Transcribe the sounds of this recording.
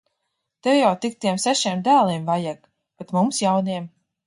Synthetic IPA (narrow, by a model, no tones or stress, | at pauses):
t̪ɛwjawt̪ik̚t̪iɛmsɛʃiɛmd̪æːlˠimvajaɡ | b̥ɛt̪mumsjawniɛm